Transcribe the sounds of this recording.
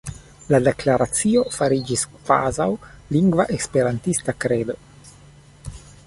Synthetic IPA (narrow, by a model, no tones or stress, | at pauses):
ladeklaɾat͡sio̞faɾid͡ʒiskva̰zawliŋɡvaʔekspe̞ɾantistakɾedo